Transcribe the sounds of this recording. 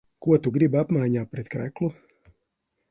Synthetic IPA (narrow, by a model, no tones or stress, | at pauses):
kuɔt̪uɡɾibapmaːɲaːpɾet̪kɾɛklu